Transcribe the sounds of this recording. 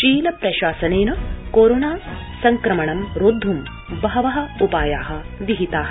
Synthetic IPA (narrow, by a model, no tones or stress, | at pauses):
ʃiːlɐpɾɐʃaːsɐneːnɐkoːɾoːnaː | sɐŋkɾɐmɐɳɐmɾod̪ʱːum | bɐɦɐʋɐɦɐ̆upaːjaːɦɐ̆ | ʋiɦit̪aːɦɐ